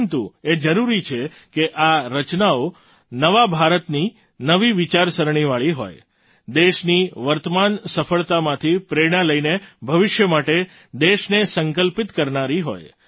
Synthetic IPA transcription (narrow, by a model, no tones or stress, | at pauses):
nt̪ued͡ʒəɾuɾit͡ʃʰe | keʔaɾət͡ʃnao | nəʋabʱaɾət̪ni | nəʋiʋɪt͡ʃaɾsəɾɳ̃iʋaɭiɦo̰j | d̪eʃniʋəɾt̪əmansəfəɭt̪amãt̪ʰipɾeɽ̃aləinebʱəʋɪʃjəmaʈe | d̪eʃnesəŋkəlpɪt̪kəɾnaɾiɦo̰j